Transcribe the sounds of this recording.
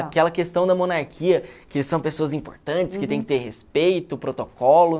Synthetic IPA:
akɛlɐkest̪ɐ̃w̃d̪ɐmonaɾkʰiɐkesɐ̃w̃pesoɐzĩpoɾt̪ɐ̃nt͡ʃɪ̥skɪt̪ẽj̃kɪt̪eɾhespejt̪ʊpɾot̪okɔlʊ

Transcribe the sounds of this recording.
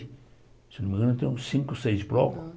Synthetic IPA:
senumẽŋɡɐ̃nɐt̪ẽj̃ũsĩŋkʊsejzbɾɔkʊ̥

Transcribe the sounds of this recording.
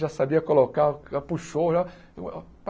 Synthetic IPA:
ʒasabiɐkolokaapuʃoʒa | p

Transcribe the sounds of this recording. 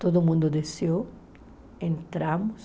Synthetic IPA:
t̪od̪ʊmũnd̪ʊd̪eseo | ẽnt̪ɾamʊs

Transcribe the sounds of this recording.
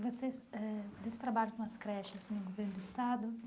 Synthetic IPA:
vosesɛd̪esɪ̥t̪ɾabaʎʊkõɐskɾɛʃɐsnʊɡoveɾnʊd̪ʊist̪ad̪ʊ

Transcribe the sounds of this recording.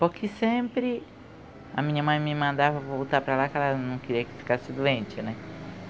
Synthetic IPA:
poɾkʰɪsẽpɾɪ | ɐ̰mĩɲɐmɐ̃j̃mɪmɐ̃nd̪avɐvowt̪apɾalakɛlanɐ̃w̃kɪɾiɐkɪ̥fi̥kasɪd̪uẽnt͡ʃɪnɛ

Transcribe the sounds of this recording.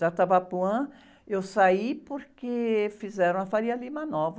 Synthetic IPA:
at̪abapuɐ̃ | ewsaipoɾkefizɛɾɐ̃w̃ɐfaɾiɐlimɐnɔv

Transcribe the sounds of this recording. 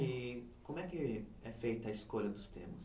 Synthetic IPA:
ikõmʊɛkɪɛfejt̪ɐiskoʎɐd̪ʊst̪ḛ̃mʊs

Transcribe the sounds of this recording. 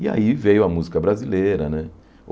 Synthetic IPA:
ia̰ivejʊɐmuzikɐbɾazileɾɐnɛ

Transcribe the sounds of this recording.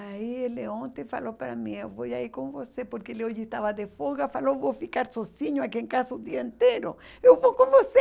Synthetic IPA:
aieleõnt̪ẽfa̰lopɾa̰mĩewvojaiɾkõŋvosepoɾkeeleoʒɪest̪aβɐd̪efoɣafalovowfikaɾsosiɲʊakiẽŋkasɐʊd̪iɐẽnt̪eɾʊ̰ | ewvowkõŋvose

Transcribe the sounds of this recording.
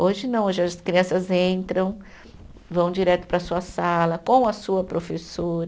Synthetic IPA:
oʒɪnɐ̃w̃oʒɪɐskɾiɐ̃sɐzẽnt̪ɾɐ̃w̃ | vɐ̃w̃d͡ʒiɾɛt̪ʊ̥pɾɐsuɐsalɐkõw̃ɐsuɐpɾofesoɾɐ

